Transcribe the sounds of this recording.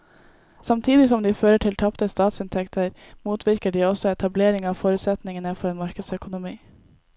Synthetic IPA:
sɑmt̪ʰiːd̪ɪsɔmd̪iːføːɾəʈʰɪlt̪ʰɑpt̪əst̪ɑːt̪sɪnt̪ʰɛkt̪ʰəɾ | muːt̪ʰʋɪɾkəɖiːɔsɔɛt̪ʰɑbleːɾɪŋɑːʋfoːɾʉːt̪sɛt̪nɪŋənəfɔɾeːnmɑɾkəd̪sœkʊnʊmiː

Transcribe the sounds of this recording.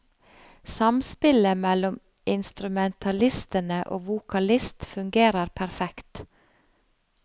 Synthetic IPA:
sɑmspɪləmɛlɔm | ɪnst̪ɾʉmɛnt̪ʰɑlɪst̪ənəʔo̰ːʋukʰɑlɪst̪fʉŋɡeːɾəɾpʰæɾfɛkt̪

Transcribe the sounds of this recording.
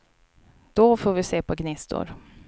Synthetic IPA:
d̪̥ɔfoːɾvɪseːpʰɔɡnɪst̪ʊ̰ɾ

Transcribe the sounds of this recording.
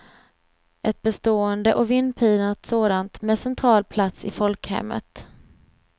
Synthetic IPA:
ʔɛt̪̚bɛst̪oːənd̪əʔɔvɪnːpʰiːnat̪soːd̪ant̪mɛːsɛnt̪ʰɾɑːlpʰlat̪sɪ̰fɔlkhɛ̰mːə̰t̪

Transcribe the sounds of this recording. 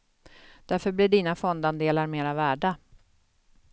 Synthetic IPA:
d̪̥æɾfœɾblɪɖiːnafɔnd̪and̪eːlaɾmeːɾavæːɖa

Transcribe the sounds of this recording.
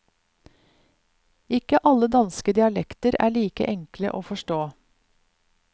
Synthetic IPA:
ɪkəʔɑləd̪ɑnskəd̪ɪɑlɛkt̪əɾæ̰ːɭiːkə̰ʔɛŋklə̰ʔoːfɔʃʈoː

